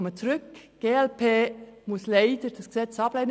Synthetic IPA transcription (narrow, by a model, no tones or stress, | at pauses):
ɔmət͡suɾʏkɡ̥eːɛlpʰeːmʊsleɪdəd̥ɑsɡ̥ə̥z̥ɛt͡sɑb̥lɛɪn